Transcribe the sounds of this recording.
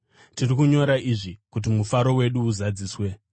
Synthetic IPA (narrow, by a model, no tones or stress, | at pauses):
tirikuɲo̞ɾaiʐikut̬imufaɾo̞we̞ɗuːzad͡ziːswe̞